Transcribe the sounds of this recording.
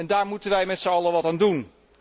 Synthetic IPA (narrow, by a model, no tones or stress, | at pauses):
ɛndaːɹmutənʋɛjmɛtsəɑlˠəʋɑtaːndun